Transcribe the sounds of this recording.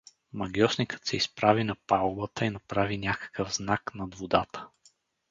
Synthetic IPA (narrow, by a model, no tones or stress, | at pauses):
mɐɡʲjɔsnikə̥t̪sɛispɾavinɐpalˠbət̪əinɐpɾavinʲakə̥kəvznaknɐd̪vod̪at̪ə̥